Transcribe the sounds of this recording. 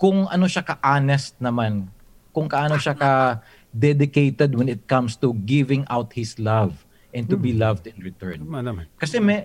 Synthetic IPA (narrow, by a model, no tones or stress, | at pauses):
kʊŋʔɐno̞ʃakɐʔanɛst̪̚nɐman | kʊŋkɐʔaːnoʃakɐ | d̪ɛd̪ɪkejt̪ɛd̪wɛ̃nɪt̪̚kɐ̃mst̪uɡɪvɪ̃ŋʔawt̪̚hɪslɐv | ʔɛ̃nt̪ʊbilɐvd̪ɛnɹɪt̪ɛɹnkɐsɛmɛ